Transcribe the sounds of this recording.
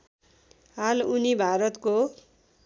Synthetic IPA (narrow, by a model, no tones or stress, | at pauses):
ɦalunibʱaɾʌt̪ko